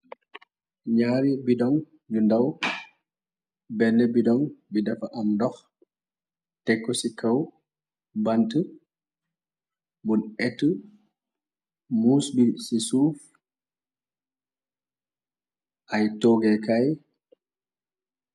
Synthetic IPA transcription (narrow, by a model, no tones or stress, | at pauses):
ɲaːɾibidɔn | d͡ʒundaw | bɛnːɛbidɔnbidafaʔamdɔx | tɛkːɔsikaw | bantə | bunɛtːə | musbisisuf | ʔajtɔɡɛkaj